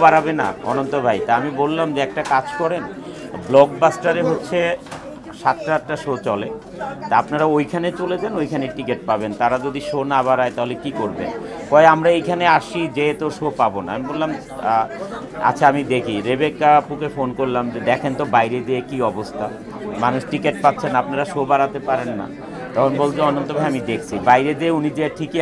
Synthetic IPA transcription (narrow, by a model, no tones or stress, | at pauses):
baɾabena̰ɔ̰nont̪obʱajt̪aamibolːamd͡ʑeɛk̚ʈakad͡ʑkɔɾen | blɔɡ̚basʈaɾeɦotːɕʰe | ʃat̪ʈaɛk̚ʈaʃot͡ɕɔle | t̪apnaɾaojkʰanet͡ɕoled͡ʑanojkʰaneʈikeʈ̚pabent̪aɾad͡ʑod̪iʃonabaɾaet̪aɦolekikoɾbḛn | kɔeamɾaejkʰaneaʃid͡ʑet̪oʃopabonaamibollam | a̰t͡ɕʰaamid̪ekʰiɾebekːapukʰefonkoɾlamd͡ʑed̪ɛkʰent̪obajɾed̪eekiɔbost̪ʰa | manuʃʈikeʈ̚pat̪ːɕʰenapnaɾaʃobaɾat̪epaɾenːa̰ | t̪ɔkʰonbolt͡ɕʰeɔnont̪obʱajamid̪ekʰt͡ɕʰibajɾed̪eeunid͡ʑeʈʰik